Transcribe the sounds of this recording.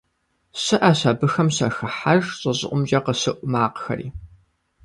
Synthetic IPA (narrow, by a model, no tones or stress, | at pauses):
ɕɨʔaɕabɨxɐmɕɐxɐħaʒɕʼɐʑɨʔʷʊmd͡ʒɐqəsɨʔʷʼmaːqxɐ̰ɾḭː